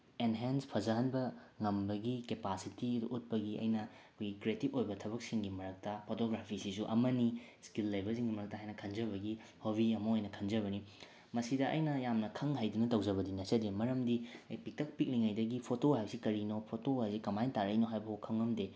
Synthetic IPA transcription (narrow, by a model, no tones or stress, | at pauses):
enɦenspʰɐzɐɦɐnbɐŋɐmbɐɡikepasitiduʔut̚pɐɡiɐ̰jnɐkʰojɡikɾietibojbɐtʰɐbɐk̚siŋɡimɐɾɐk̚tɐpʰotoɡɾapʰisisuʔɐ̰mɐni | skilːɐjbɐsiŋɐmɐɾɐk̚tɐɦajnɐkʰɐnd͡ʒɐβɐɡi | hoβiɐmɐojnɐkʰɐnd͡ʒɐβɐni | mɐsidɐʔɐ̰jnɐjamnɐkʰɐŋɦajdunɐtɐwd͡ʒɐβɐdinɐsɐdemɐɾɐmdiɐjpik̚tɐk̚pik̚liŋajdɐɡipʰotoɦajbɐsikɐɾinopʰotoasikɐmajntaɾɐjnoɦajbɐhokʰːɐŋɐmde